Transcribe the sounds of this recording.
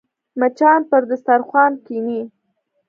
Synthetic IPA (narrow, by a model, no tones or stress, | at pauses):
mat͡ʃɑnpəɾd̪əst̪aɾxwɑnkini